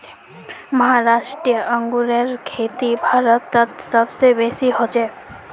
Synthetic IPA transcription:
məɦaɾaʃʈɾijəʔəŋɡuɾeɾkʰet̪ibʱaɾot̪ːat̪səbsebesiɦot͡ɕʰe

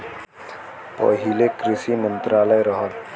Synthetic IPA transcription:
pɐ̰ɦilekɾisimənt̪ɾaːləjɾəɦəl

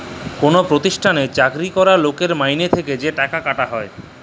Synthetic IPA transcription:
konopɾot̪iʃʈʰanet͡ɕakɾikɔɾalokeɾmajnet̪ʰeked͡ʑeʈakakaʈaɦɔe

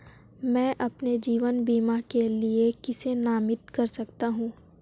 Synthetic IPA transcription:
mɛ̃ːʔɐpned͡ʒiːʋənbiːmakeliekɪsenaːmɪt̪kɐɾsɐkt̪aɦũː

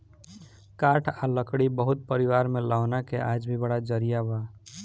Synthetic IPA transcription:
kaʈʰaləkɽibəɦut̪̚pəɾiwaɾmelaʊnakeʔad͡ʒbʱibəɽad͡ʒəɾijaba

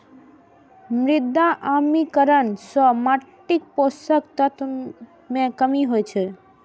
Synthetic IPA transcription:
mɾɪd̪ːaʔamikəɾənsɔmaʈːik̚posəkt̪ət̪ | mẽkəmiɦojt͡ʃʰe

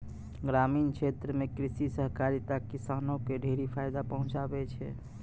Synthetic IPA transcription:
ɡɾamint͡ʃʰet̪ɾəmekɾisisəɦkaɾit̪akːisanokeɖʱeɾipʰajd̪apəɦũt͡ʃabɛt͡ʃʰɛ

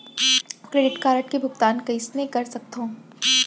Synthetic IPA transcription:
kɾeːɖɪʈkaːɾəʈkebʱʊpt̪aːnkɐismẽkɐɾsɐk̚t̪ɦõː

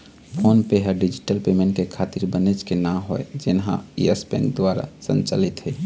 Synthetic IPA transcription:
pʰonpeɦəɖid͡ʒiʈəlpemẽɳʈkekʰat̪iɾbənet͡ʃkenaɦoed͡ʒenɦã̰iəspḛnd̪waɾa̰sə̰̃nt͡ʃəlit̪ɦɛ

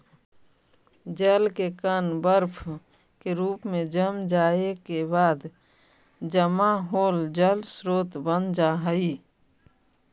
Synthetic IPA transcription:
d͡ʒəlkekənbəɾpʰ | keɾuːpmẽd͡ʒəmd͡ʒaːekebaːd̪ | d͡ʒəmaɦoːld͡ʒəlsɾoːt̪bənd͡ʒaɦəi

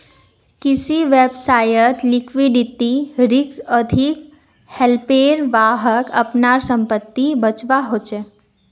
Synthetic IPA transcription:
kɪsiʋebsaːjət̪lɪkʰʋiɖit̪iɾɪksəd̪ʱik | helpeːɾʋaːɦəkə̰pnaɾsə̃mpət̪ːibət͡ʃʋaɦot͡ʃe

